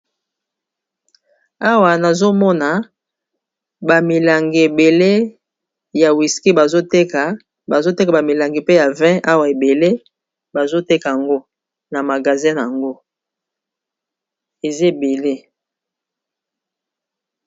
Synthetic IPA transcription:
a˦wa˨na˨zo˦mɔ˦na˨ | ba˨mi˨la˨ŋɡe˨e˨be˨le˦ | ja˨wi˨ski˦ba˨zo˦te˦ka˨ | ba˨zo˦te˦ka˨ba˨mi˨la˨ŋɡi˨pe˦ja˨vɛ̃˦ʔa˦wa˨e˨be˨le˦ | ba˨zo˦te˦ka˨ja˨ŋɡo˦ | na˨ma˨ɡa˨zɛ̃˦na˨a˨ŋɡo˦ | e˨ze˦˨be˨le˦

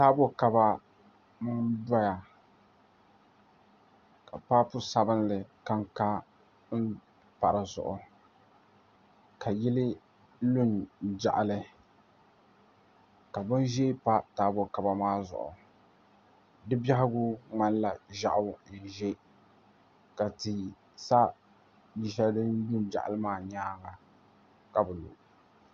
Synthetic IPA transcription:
taː˦bʊ˦ka˨ba˦ | mɨ˦ŋda˦ja˨ | ka˨pa˦pʊ˦sa˨bɨ˦nlɨ˨ka˦ŋka˦ | n̩˦ | pa˨ɾɨ˨zʊ̰˨ʔʊ˨ | ka˨jɪ˦lɪ˦ | lʊ˦nd͡ʒa̰˨ʔa˨lɨ˨ | ka˨bʊ˦n˦ʒe˦pa˦taː˨bʊ˦ka˨ba˨maː˦zʊ̰˨ʔʊ̰˨ | dɨ˦ba˦hɪ˦ɡʊ˦ŋ͡ma˦nla˨ʒa̰˨ʔʊ˦˨n̩˨ʒe˦ | ka˨tɨ˨ | sa˦ | bi˦ʃa˦dɨ˦nlʊ˦nd͡ʒa̰˨ʔa̰˨lɨ˦maː˦˨ɲaː˦ɡa˨ | ka˨bʊ˨lṵ˨

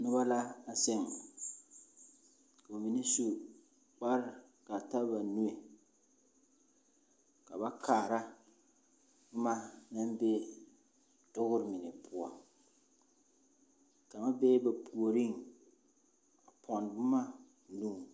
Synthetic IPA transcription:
nʊ˦ba˦la˦a˨sɪ˦˨ŋ | ka˨a˨mi˨ni˦su˦ | k͡pa˦ɾɪ˦˨ | ka˨ta˦ba˨nu˦e˨ | ka˨ba˦kʰaː˨ɾa˦ | bʊ˦ma˦na˦mbeː˦ | tʊ˦ɣʊ˦ɾɪ˦˨mɪ˨nɪ˨pʰʊ˦a˦ | ka˨ma˦beː˦ba˨pʰu˨o˨ɾi˦ŋ | a˨pʰɔ˨n˨bʊ˦ma˦˨ | nuː˦˨

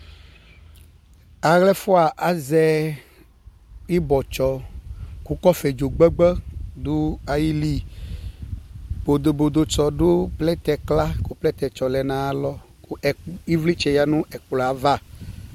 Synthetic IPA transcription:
a˨ɣlɛ˦fo˦a˨ʔa˨zɛ˦ | i˦bɔ˨t͡ʃɔ˨ku˦kɔ˦fɛ˨d͡ʒo˨ɡ͡bɛ˦ɡ͡bɛ˦d̪u˦a˨ji˦li˦ | b̥o˨d̪o˨bo˨d̪o˨t͡ʃɔ˨ɖo˦plɛ˦t̪ɛ˨kla˦ko˨plɛ˦t̪ɛ˨t͡ʃɔ˨lɛ˨nã˨a˨lɔ˦ | kɛ˨i˦vli˦t͡ʃɛ˨ja˦nũ˦ʔɛ˨k͡plɔ˨a˨˦va˦˨

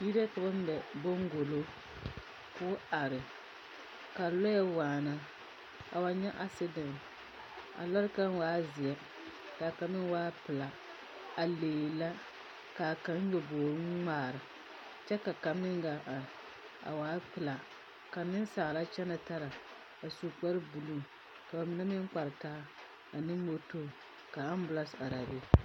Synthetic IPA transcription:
ji˦ɾa˦ka˨ba˦m˦bɛ˨bo˦ŋ˦ɡo˨lo˦ | kʊː˦a˨ɾɨ˨ | ka˨lɔ˦jɛ˦waː˨na˨ | a˨wa˨ɲɛ˦ʔa˦sɪ˦dɔ˨m | a̰˨la˦ɾka˦n˦waː˦zi˨ɛ˦ | ka˨ka˨mɨ˦n˦waː˦pɨ˨la˨ | a˨leː˨la˦ | ka˨ka˦n˦ɲo˨boː˨ɾɨ˦ŋaː˨ɾɨ˨ | t͡ʃɛ˦ka˨ka˨mː˦ɪ˦ŋ˦ɡa˨ʔa˨ | a̰˨waː˦pɨ˨la˨ | ka˨nɪ˦n˦sa˨la˦t͡ʃɛ˦na˨ta˦ɾa˨ | a˨su˨k͡pa˦ɾɨ˦bu˨lu˦˨m | ka˨ba˨mɪ˨na˦mɪ˦ŋ˦k͡pa˨ɾɨ˨kaː˦ | a˨nɨ˦mo˦to˦ | ka˨a˦m˦bʊ˨la˦sa˨ɾa˨be˦

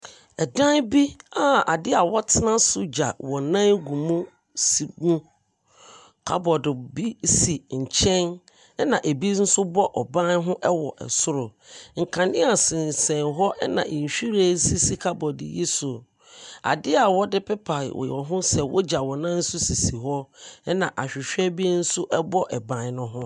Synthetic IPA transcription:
ɛ˨dã˦n˦bi˦a˨a˨dɪ˦a˨wɔ˦tʰɪ˦nã˦sʊ˦d͡ʑa˨wɔ̃˨nã˦nɡũ˨mũ˦ | si˨ɡũ˦ | kʰa̰˦bɔ˨dɪ˨bi˦si˨ɲ̩˨t͡ɕʰɛ̃˦n | ɛ˦nã˨ʔe˨bi˦n̩˦sʊ˦bɔ˦ʔɔ˨bã˦n˦ɦʊ̃˦ʔɛ˦wɔ˨ʔɛ̰˨sʊ˦ɾʊ˨ŋ̩˨kʰã˨nɪ̃˦a˨sɪ̃˨n˨sɛ̃˨nɦɔ˦ʔɛ˦nã̰˨ʔĩ˨ɲ˨ɕᶣi˦ɾa˦˨˦si˦si˦kʰa˦bɔ˨dɪ̰˨ji˦sʊ˨ | a̰˨dɪ˦a˨wɔ˦dɪ˦pɪ˦pʰa̰˨w̰jɔ˨ɦʊ̃˦sɛ˨wʔɔ̰˦d͡ʑa˨wɔ̃˨nã˦n̩˦sʊ˦si˨si˨ɦɔ˦ɛ˦nã˨ʔa˨ɕᶣɪ˨ɕᶣɛ˦bi˦e˦n̩˦sʊ˦ʔɛ˦bɔ˦ʔɛ˨bã˦nnʊ̃˦ɦʊ̃˦

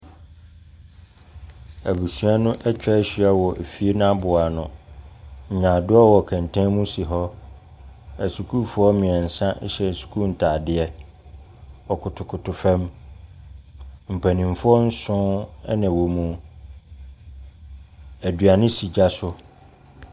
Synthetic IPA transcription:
æ˨bu˨su˦a˦nʊ̃˦ʔɛ˦t͡ɕᶣɛ˦ɕᶣi˨˦ɛ˦wɔ˨ʔe˨fi˦e˦nã˦bʊ˨a˨nʊ̃˨ | ɲ̩˨ɲã˨dʊ˦ɔ˦wɔ˨kʰɛ̃˨n˨tʰɛ̃˦mũ˦si˨ɦɔ˦ | æ˨su˨kʰu˦fʊ˨˦ɔ˦mɪ̃˨ɛ˨n̩˨sã˦ɕɛ˨su̥˨kʰu˦n̩˨tʰaː˨dɪ˦ɛ˦ | ɔ˨kʰʊ˨tʰʊ˨kʰʊ˨tʰʊ˨fɛ̃˦m | m̩˨pʰæ˨nĩ˨mfʊ˦ɔ˦n̩˦sʊ̃˦ɛ˦nã˨wo˨mũ˦ | æ˨dɥa˨nɪ̃˦si˨d͡ʑa˦sʊ˦

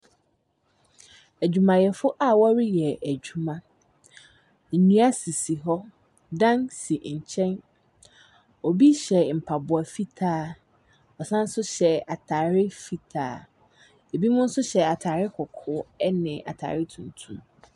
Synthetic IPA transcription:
æ˨d͡ʑᶣu˨mã˨jɛ˨fʊ˦ʔa˦wɔ˦ɾɪ˦jɛ˨æ˨d͡ʑu˦mã˦˨ | ɲũ˦a˦si˨si˨ɦɔ˦ | dã˦nsi˨ɲ̩˨t͡ɕʰɛ̃˦n | o˨bi˦ɕɛ˨m̩˨pʰa˨bʊ˨a˨fi˦tʰaː˦ | ɔ˨sã˦n̩˦sʊ˦ɕɛ˨a˨tʰaː˨ɾɪ˦fi˦tʰa̰ː˨ | e˨bi˦mʊ̃˦n̩˦sʊ˦ɕɛ˨a˨tʰaː˨ɾɪ˦kʰɔ˨kʰʊ˦ɛ˦nɪ̃˨ʔa̰˨tʰa̰ː˨ɾɪ˦tʰũ˨n˨tʰũ˦m

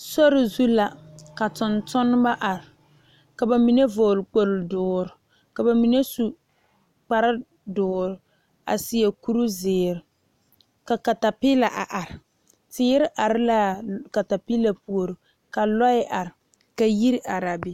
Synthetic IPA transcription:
sɔ˦ɾɪ˨zu˦la˨ka˨tʊ˨ntʊ˦n˦ba˦ʔa˨ɾɪ˨ | ka˨ba˨mi˨ne˦vʊː˨lk͡po˨ldʊː˨ɾɪ˨ | ka˨ba˨mi˨ne˦su˨ | k͡pa˨ɾɪ˦ | dʊː˨ɾ | a̰˨si˨˦e˨ku˦ɾu˦zɪː˨ɾɪ˨ | ka˨ka˨ta˨pɪ˦la˨ʔa˨ʔa˨ɾɪ˨ | tɪː˦ɾɪ˦ʔa˨ɾɪ˦la˦˨ka˨ta˨pi˦la˨pu˨o˨ɾɨ˨ | ka˨lɔ˦ɪ˦ʔa˨ɾɪ˨ | ka˨ji˦ɾʔa˨ɾa˨bɪ˨

